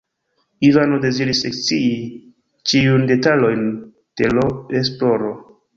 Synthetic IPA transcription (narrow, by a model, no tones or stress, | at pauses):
ivanode̞ziɾisekt͡sii | t͡ʃiunde̞talo̞jn | d̥e̞loesplo̞ɾo